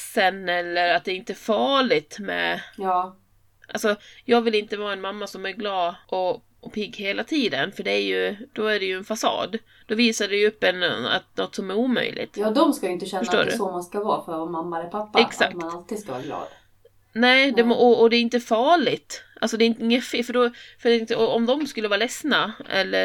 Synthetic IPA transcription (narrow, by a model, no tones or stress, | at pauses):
sɛnɛlːəɾat̪̚d̪ɛːɾɪnt̪əfɑːɭɪt̪mɛ̰jɑː | ʔalsɔjɑːɡvɪlɪnt̪əvɑːaɛnmamːasɔmæɾɡlɑːd̪ʔɔ | ɔpʰɪɡːheːlat̪ʰiːd̪ənfœɖɛæjɵd̪̥ɔæɖɛjɵɛnfasɑ̰ːd̪ | d̪ɔviːsaɖɛjɵpːɛna̰t̪nɔt̪ːsɔmæɾuːmœ̰jlɪ̰t̪jɑːd̪ɔmskajʏɪnt̪əɕɛnœʂːʈo̰ːɾɵsɔmanskavɑːfœɾamamːaɛlpʰapːaɛksa̰kmtnalt̪iːd̪skaa̰ɾɡlɑ̰ːd̪ | nɛːd̪ɛmɔɔd̪ɛɾɪnt̪əfɑːɭɪt̪ʔalsɔd̪ɛɪnt̪əɪŋːəfɪfœɖɔfœɾɪnt̪əɔɔmd̪ɔmskɵlːəvɑːɾlɛsnaɛ̰lːə